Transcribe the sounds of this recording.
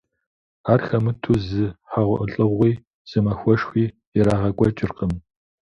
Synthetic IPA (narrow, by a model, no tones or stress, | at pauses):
aːrxɐmɨtʰuːzɨħaʁʷʊ̰ʔəɬʼɨʁʷiː | z̥ɨmɐxʷɔʂxʷiː | jɛɾaːʁɐkʷʼɔt͡ʃʼɪrqəm